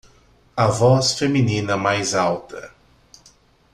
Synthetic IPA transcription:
ɐvɔsfeminĩnɐmajzawt̪ɐ

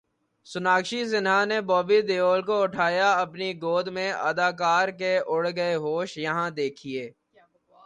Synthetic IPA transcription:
sʊnaːkʃizɪnɦanebɔːbid̪eːoːlkoʊʈʰaːjaɐpniɡoːd̪mẽə̰d̪aːkaːɾkeʔʊɽɡəeɦoːʃjɐɦãd̪eːkʰieː

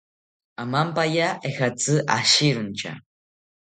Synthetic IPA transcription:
amampajaexat͡sɨʔaɕiɾunt͡ʃa̰

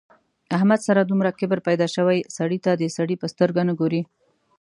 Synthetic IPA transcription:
ahmad̪saɾad̪umɾakɪbəɾpajd̪ɑʃəwajsaɽit̪ad̪əsaɽipəst̪əɾɡanəɡoɾi

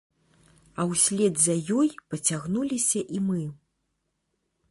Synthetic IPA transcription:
ɐwsʲlʲɛd̪zɐjɔjpɐt͡sʲaɣnulʲisʲɐʔimɨ

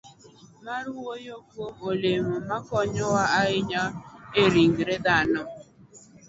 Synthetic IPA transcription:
maɾuwojokuomolemʊmakɔɲɔwaaɪɲaeɾiŋ̩ɡɾedanɔ

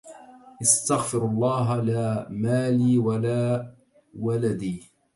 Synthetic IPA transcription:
ʔɪst̪aɣfɪɾɑlˤːɑːɦalaːmaːliːwalaː | walad̪iː

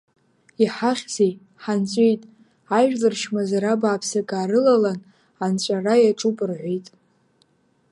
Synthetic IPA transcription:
iħaχʲzej | ħant͡ɕʷʼejtʼ | aʒᶣlɨrʃmazaɾabaːpʰsakʼaːɾɨlalan | ant͡ɕʷʼarajaʈ͡ʂʼupʼɨrʕʷejtʼ

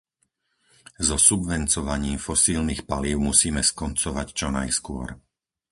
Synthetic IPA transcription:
zɔsubʋɛnt͡sɔʋaɲiːmfɔsiːlnixpaliːʊmusiːmɛskɔnt͡sɔʋact͡ʃɔnajskʊɔ̰ɾ

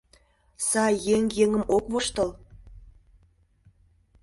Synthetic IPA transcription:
sɑjeŋjeŋə̆mʔokβoʃt̪ɤ̆l

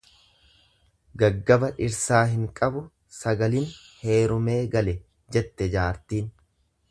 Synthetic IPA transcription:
ɡɐɡːɐbɐᶑɪɾsaːɦɪŋkʼɐbʊ | sɐɡɐlin | he̞ːɾʊme̞ːɡɐlɛ | d͡ʒɛt̪ːɛd͡ʒaːɾt̪iːn

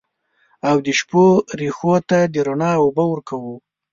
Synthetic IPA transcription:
awd̪əʃpoɾexot̪ad̪əɾonɑwobawəɾkawu

